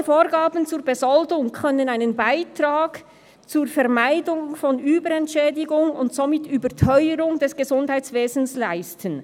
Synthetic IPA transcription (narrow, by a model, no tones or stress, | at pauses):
foːɾɡaːbən̩t͡suːɹbezɔldʊŋkʰœnənaɪnənbaɪtʁ̥aːk | t͡suːɹfɛɐmaɪdʊŋfɔnyːbəɾɛntʃɛːdɪɡʊŋʊntz̥omɪtyːbətʰœʏəɾʊŋdɛsɡ̥ezʊndhaɪt͡sv̥eːzn̩slaɪstʰən